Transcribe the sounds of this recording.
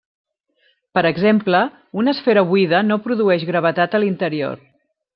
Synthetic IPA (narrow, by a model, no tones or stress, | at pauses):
pəɾəɡzemplə | unəsfɛɾəβuiðənopɾuðuɛʒɣɾəβ̞ət̪at̪əlint̪əɾio̰r